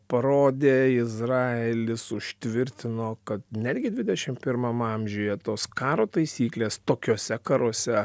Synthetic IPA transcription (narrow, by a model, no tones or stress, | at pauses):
pɐɾoːd̪ʲeːɪzrɑːelʲɪsʊʃʲt̪ʲʋʲɪɾʲt̪ʲɪnoːkɐt̪nʲæːd̪ʲɡʲɪd̪ʲʋʲɪd̪ʲɛʃʲɪmpʲɪɾmɐmɐmʲʒʲʊjɛt̪oːskɑːɾoːt̪ɐɪsʲiːklʲeːst̪oːkʲoːsʲɛkɐɾoɔsʲɛ